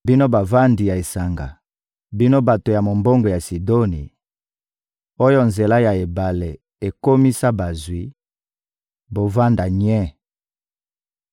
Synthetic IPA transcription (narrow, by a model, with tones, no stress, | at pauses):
bi˦no˦ba˨va˦ndi˨ja˨e˨sa˨ŋɡa̰˨ | bi˦no˦ba˨to˨ja˨mo˨mbo˦ŋɡo˨ja˨si˨do˦ni˨ | o˦jo˦nze˨la˦ja˨e˨ba˨le˨ | e˨ko˦mi˦sa˦ba˨zwi˨˦ | bo˨va˦nda˨ɲɛ˦